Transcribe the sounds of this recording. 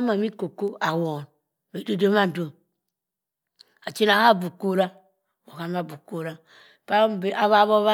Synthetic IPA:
ma˨mi˦ko˨ko˦a˨wo˨n˨ | be˨de˦do˦ma˦n˨do˨ | a˨t͡ʃi˦na˨ha˦˨bu˨ko˦ɾa˦ | wo˨ka˨˦ma˨bu˨ko˦ɾa˦ | pa˦be˦a˨βa˦βo˦βa˦

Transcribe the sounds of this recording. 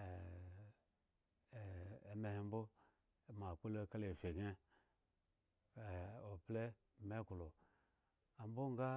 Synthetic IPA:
e˨me˨hi˨m˦bo˦˨ | ma˨k͡po˦lo˦ka˦le˨fe˨ɡe˦˨ | o˨ple˦˨ | me˦ku˨lo˨ | a˨mbo˦ŋɡa˦

